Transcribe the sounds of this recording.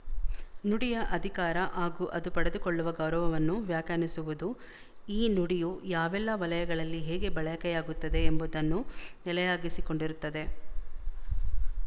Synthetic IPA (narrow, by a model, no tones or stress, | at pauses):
nuɽijɐʔɐd̪ʱikaːɾɐʔaːɡuːʔɐd̪upɐɽed̪ukoɭːuʋɐɡɐwɾɐʋɐʋɐnːuʋjaːkjaːnisuʋud̪u | iːnuɽijujaːʋɛlːɐʋɐlɐjɐɡɐɭɐlːiɦɛːɡe̞bɐɭɐjɐkɛjaːɡut̪ːɐd̪e̞embud̪ɐnːunɛlɐjaːɡisiko̞ɳɖiɾut̪ːɐd̪e̞